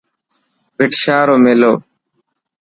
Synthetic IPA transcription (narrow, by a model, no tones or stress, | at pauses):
bɪʈʃaːɾoːmeːloː